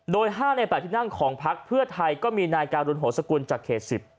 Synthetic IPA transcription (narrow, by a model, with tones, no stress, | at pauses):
doː˧jɦaː˥˩na˧pɛː˨˩t̪ʰi˥˩na˥˩ŋkʰɔː˩˦ŋpʰa˦˥k̚pʰɯ˥˩t̪ʰa˧jkɔː˥˩miː˧naː˧jkaː˧nɾu˧nɦoː˩˦sa˧ku˧nt͡ɕaː˨˩kʰːeː˨˩t̪̚si˨˩p̚